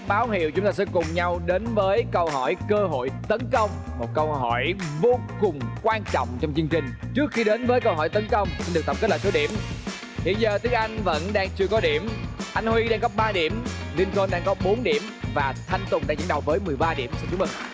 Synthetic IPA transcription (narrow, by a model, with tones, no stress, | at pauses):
ɓaː˨˦wɦḭ˧˩˨əwt͡ɕʊ˨˦ŋ͡mt̪aː˧sɛ̰˧˥kʊ˨˩ŋ͡mɲa˧wɗe˨˦nvəː˨˦jkə˧wɦɔ˧˩jkəː˧ɦo̰˧˨jt̪ə˨˦nkə˧wŋ͡m | mo˨˩t̚kə˧wɦɔ˧˩jvo˧kʊ˨˩ŋ͡mkwaː˧nt͡ɕɔ̰˧˨wŋ͡mt͡ɕwŋ͡mt͡ɕɨ˧əŋt͡ɕï˨˩ŋ̟t͡ɕɨ˦˥ək̚xi˧ɗe˨˦nvəː˨˦jkə˧wɦɔ˧˩jt̪ə˨˦nkə˧wŋ͡msi˧nɗɨ˨˩k̚t̪ə˨˩pke˦˥ləː˧˨˩so˨˦ɗi˧˩əm | hḭ˧˨ənzəː˨˩t̪ɨ˨˦əkʔa˧jŋ̟və̰˧˥nɗaː˧ŋt͡ɕɨ˧əkɔ˨˦ɗi˧˩əmʔa˧jŋhwi˧ɗaː˧ŋɣə˦˥p̚ɓaː˧ɗi˧˩əmli˧ənko˧nɗaː˧ŋkɔ˨˦ɓo˨˦nɗi˧˩əmvaː˨˩t̪ʰa˧jŋ̟t̪ʊ˨˩ŋ͡mɗaː˧ŋzə̰˧˥nɗə˨˩w̚vəː˨˦jmɨ˨˩əjɓaː˧ɗḭ˧˩əmsi˧nt͡ɕʊ˦˥mə˧˩ŋ